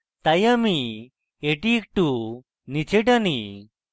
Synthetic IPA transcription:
t̪ajami | eʈik̚ʈu | nit͡ʃeʈani

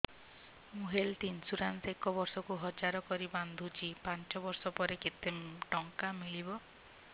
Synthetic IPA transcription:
muɦelt̪insuɾansekɔbɔɾsɔkuɦɔd͡ʒaɾɔkɔɾiband̪ʱut͡ʃʰipant͡ʃɔbɔɾsɔpɔɾeket̪eʈɔŋkamiɭibɔ

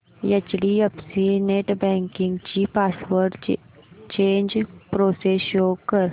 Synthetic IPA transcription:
jɐt͡ʃɽiɐpsineʈbɛ̃ːŋkɪ̃ŋɡt͡ʃipaːswəɾɖ | t͡ʃẽːnd͡ʒpɾoːsesjoːkːəɾ

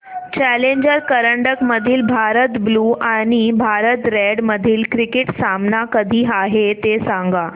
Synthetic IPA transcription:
t͡ɕæleɲd͡ʑəɾkəɾəɳɖəkməd̪ʱiːlbʱaɾət̪bluːaɽ̃ibʱaɾət̪ɾeɽməd̪ʱiːlkɾikeʈsamnakəd̪ʱiːaɦet̪esãŋɡa

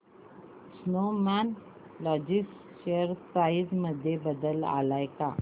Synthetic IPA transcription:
snoman | lɔd͡ʑis | ɕeəɾpɾaid͡zməd̪ʱːjebəd̪əla̰lajka̰

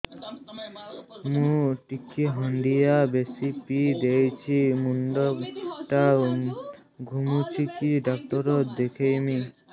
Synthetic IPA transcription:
mũʈikːiɦɔɳɖijabesipid̪ejt͡ɕʰimunɖoʈa | ɡʱumut͡ɕʰikiɖɔk̚ʈɔɾod̪ekʰejmi

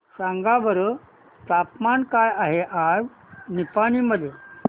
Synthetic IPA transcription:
saŋɡabəɾə | t̪apmankajaɦeʔaɾ | nipaniməd̪ʱje

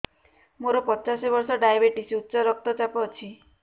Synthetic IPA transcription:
moɾɔpɔt͡ʃasibɔɾsɔɖajabeʈisutːsɔɾɔk̚t̪ɔt͡ʃapɔt͡ʃʰi

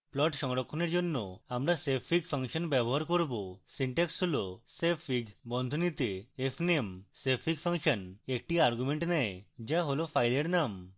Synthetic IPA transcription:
plɔʈʃɔŋɾokʰːoneɾd͡ʑonːoamɾasepʰikpʰaŋʃɔnbɛboɦaɾkoɾbosiɳʈeksɦolosepʰikbɔnd̪ʱonit̪eepʰnemsepʰiɡfʰaŋʃɔnek̚ʈiaɾɡumeɳʈnɛed͡ʑaɦolopʰajleɾnam

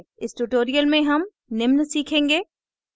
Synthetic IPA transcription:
ɪsʈuʈoːɾijəlmẽɦɐm | nɪmnsiːkʰẽːŋɡeː

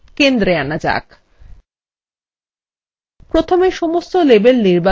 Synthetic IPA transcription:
kend̪ɾeanad͡ʑa̰k | pɾot̪ʰomeʃɔmost̪olebelniɾba

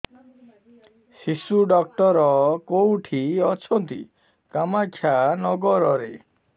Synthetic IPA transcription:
sisuɖɔk̚ʈɔɾɔkowʈʰiɔt͡ʃʰɔnt̪ḭ | kamakʰːjanɔɡɔɾɔɾe

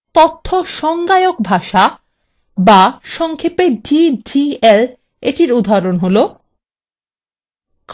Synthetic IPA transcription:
t̪ot̪ʰːoʃɔŋɡajok̚bʱaʃa | baʃɔŋkʰepeɖiɖiel | eʈiɾud̪ʱːaɾonɦolo | k

